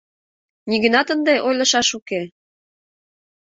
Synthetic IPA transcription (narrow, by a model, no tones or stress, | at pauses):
niɣə̆nɑt̪ənd̪eʔojlɤ̆ʃɑʃuke